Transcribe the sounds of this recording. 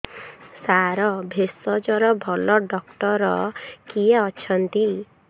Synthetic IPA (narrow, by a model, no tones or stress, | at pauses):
saɾɔbʱesɔd͡ʒɔɾɔbʱɔlɔɖɔkʈɔɾɔkieɔt͡ʃʰɔnt̪i